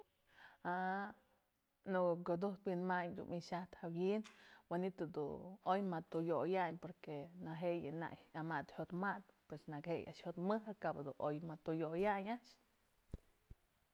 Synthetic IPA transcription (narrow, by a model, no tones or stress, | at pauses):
a | nuɡkod̪uht̪winmaɲd̪ṵnʔiʃaht̪hawinwenit̪od̪ṵnojmat̪ujojaɲpoɾkenaɦeʔjɨna̰ʔjamat̪hjot̪mat̪̚pwesnakheja̰ʔʃhot̪mɨɦɨkabad̪unʔojmat̪ujojaɲaʔʃ